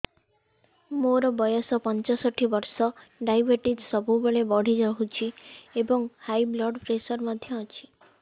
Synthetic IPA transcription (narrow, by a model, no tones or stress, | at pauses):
moɾɔbɔjɔsɔpɔnt͡ʃɔsɔʈʰibɔɾsɔɖajbeʈid͡ʒsɔbubeɭebɔɽ̤id͡ʒɔɦut͡ʃʰiebɔŋhajblɔɖpɾesɔɾmɔd̪ʱjɔːt͡ʃʰi̥